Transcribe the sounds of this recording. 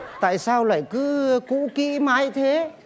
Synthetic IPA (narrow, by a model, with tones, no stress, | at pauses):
t̪a̰ː˧˨jsaː˧wla̰ː˧˨jkɨ˨˦kṵ˧˥kḭ˧˥maː˨˦jt̪ʰe˨˦